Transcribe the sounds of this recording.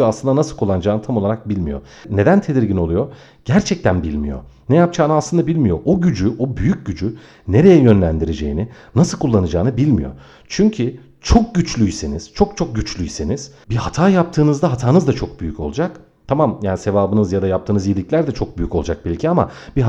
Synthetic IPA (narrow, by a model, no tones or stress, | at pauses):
aslˠɯnd̪anasɯlˠkʰulˠːanɯd͡ʒaːnɯt̪ʰamolˠaɾak̚bilʲmijo̞̰ | ne̞d̪ænt̪ʰe̞d̪iɾɟino̞lˠujo̞ | ɟ̥æɾt͡ʃʰɛc̚t̪ʰænbilʲmijo̞̰nejap̚t͡ʃʰaːnɯaslɯnd̪abilʲmijo̞ʔoɟyd͡ʒyʔobyjyc̚ɟyd͡ʒy | ne̞ɾe̞jɛjø̞nlʲænd̪iɾe̞d͡ʒe̞̰jininasɯlˠkʰulˠːanɯd͡ʒaːnɯbilʲmijo̞̰ | t͡ʃʰyɲcʰy | t͡ʃʰo̞k̚ɟyt͡ʃlʲyjseniz̥t͡ʃʰo̞k̚t͡ʃʰo̞k̚ɟyt͡ʃlʲyjseniz̥bihat̪ʰaːjap̚t̪ʰɯːnɯzd̪aɦat̪ʰaːnɯzd̪at͡ʃʰo̞k̚byjycʰo̞lˠud͡ʒak | t̪ʰamamjaːnise̞vaːbɯnɯzjad̪ajap̚t̪ʰɯːnɯzijilʲiclʲæɾd̪ɛt͡ʃʰo̞k̚byjyko̞lˠd͡ʒak̚bilʲcʰiama̰biɦ